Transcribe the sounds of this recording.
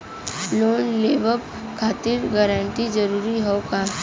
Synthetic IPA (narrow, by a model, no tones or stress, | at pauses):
loːnleːbəb | kʰaːt̪ɪɾɡəɾəɳʈid͡ʒəɾuːɾiɦokaː